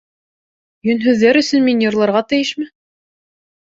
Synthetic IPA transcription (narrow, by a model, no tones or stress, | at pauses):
jɵ̆nɦʉðːæɾɵ̆sɵnminjŏɾlˠɑɾʁɑt̪ɘ̆jɘʃmɘ